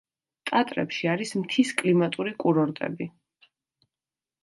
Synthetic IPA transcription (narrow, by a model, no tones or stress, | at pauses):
t̪ʼat̪ʼɾɛpʃiaɾismt̪ʰiskʼlimat̪ʼuɾikʼuɾɔɾt̪ʼɛ̰bi